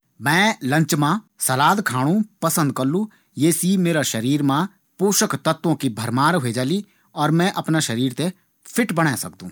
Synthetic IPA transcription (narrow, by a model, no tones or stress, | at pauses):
mɛ̃ːlɐ̃ɲt͡ʃmãsɐlaːd̪kʰaːɽ̃ũpɐsə̃nd̪̚kɐlːũ | jeːsimeːɾaʃɐɾiːɾmã | poːʃəkt̪ɐt̪ːõkibʱɐɾmaːɾɦʊed͡ʒaːli | ɔːɾmɛ̃ʔɐpnaʃɐɾiːɾt̪e | pʰɪʈbɐɽ̃asɐkd̪ṵ̃ː